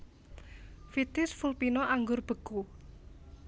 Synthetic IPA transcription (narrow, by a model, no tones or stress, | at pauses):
fit̪ɪsfulpinɔʔaŋɡʊrb̥ə̤ku